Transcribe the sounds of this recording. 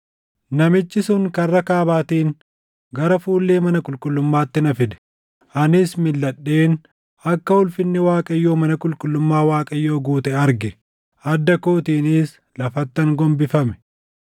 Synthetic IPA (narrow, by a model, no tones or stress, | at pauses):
nɐmɪt͡ʃːɪsʊŋkɐrːɐkaːbaːt̪iːŋ | ɡɐɾɐfuːlːe̞ːmɐnɐkʼʊlkʼʊlːʊmːaːt̪ːɪnɐfɪd̪ɛ̥ | ɐnɪsmɪlːɐɗːe̞ːn | ɐkːɐʊlfɪnːɪwaːkʼɐɪjːo̞ːmɐnɐkʼʊlkʼʊlːʊmːaːwaːkʼɐjːoːɡuːt̪ɛɐɾɡɛ | ɐd̪ːɐkoːt̪iːnɪs | lɐfɐt̪ːɐŋɡɔmbɪfɐmɛ̥